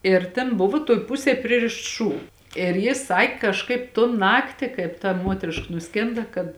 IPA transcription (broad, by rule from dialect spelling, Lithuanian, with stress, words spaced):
ɪr ˈtʲɛn ˈbʊʋɐ tuɔj ˈpʊsʲeːj ˈpʲrʲɪrʲɪʃts ˈʃuː ɪr ˈjɪs ˈsɐkʲ kɐʃˈkɐɪp toːn ˈnɑːktʲɪ ˈkɐɪp tɐ ˈmuɔtʲrʲɪʃkɐ nʊˈsʲkʲeːndɐ kɐt